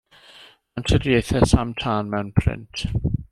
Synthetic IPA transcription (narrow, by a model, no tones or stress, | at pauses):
antʰədiejθɛsamtʰaːnmɛwnpʰrɪ̰ntʰ